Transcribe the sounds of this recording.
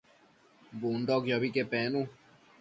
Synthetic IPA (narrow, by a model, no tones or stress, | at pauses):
bundɔkjɔbikepɛːnũ